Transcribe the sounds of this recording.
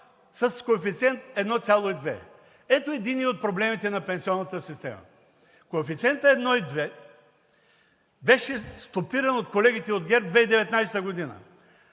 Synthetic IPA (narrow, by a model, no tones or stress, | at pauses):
sɐskoɛfit̪sʲiɛnt̪ɛd̪nɔt̪sʲjalˠoid̪vɛ̰ | ɛt̪oɛd̪iniot̪̚pɾoblɛmit̪ɛnɐpɛ̃nsiɔnːɐt̪əsist̪ɛ̰mə̰ | koɛfit̪siɛnt̪əɛd̪nɔid̪vɛ | bɛʃɛst̪opiɾɐnot̪̚kolɛɡʲit̪ɛod̪ɡʲɛɾp̚d̪vɛid̪ɛvɛt̪najsɛt̪əɡod̪inə̰